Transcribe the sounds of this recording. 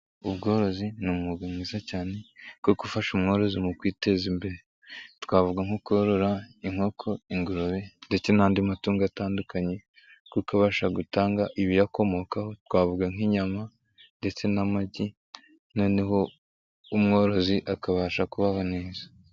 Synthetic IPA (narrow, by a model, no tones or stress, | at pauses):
uβɡo̞ːɾo̞zinumuɡamŋiːzacaːne̞kokufaʃumŋo̞ːɾo̞zimukwiːte̞zimbe̞ɾe | tkwaːvuɡaŋ̥ukuɾoɾo̞ɾaiŋho̞kʰo̞iŋɡuɾoβende̞t͡se̞naːndimatuːŋɡataːndukaɲe̞ | kukaβaʃaɡutaːŋɡaʔiβijako̞mo̞kaho̞tkwaːvuɡaŋ̥iɲama | nde̞t͡se̞namaɟi | no̞ːne̞ɦo̞ | umŋo̞ːɾo̞ziʔakaβaːʃakuβaho̞neːzḁ